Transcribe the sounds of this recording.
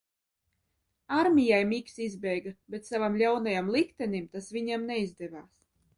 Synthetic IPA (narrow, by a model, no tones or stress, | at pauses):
aɾmʲijajmiksizbʲɛjɡabʲet̪savamlʲawnajamlˠikt̪ɛnʲimt̪asvʲiɲamnɛizd̪ɛvaːs